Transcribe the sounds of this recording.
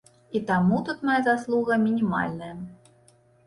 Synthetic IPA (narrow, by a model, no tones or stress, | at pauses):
it̪amut̪ut̪majazaslˠuɣɐmʲinʲima̰lʲnɐjɐ